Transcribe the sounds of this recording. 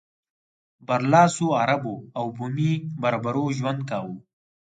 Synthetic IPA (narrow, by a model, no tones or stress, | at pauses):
bɐɾlɑːsuaɾaboawbumibɐɾbaɾoʒwɐnd̪̚kaːwu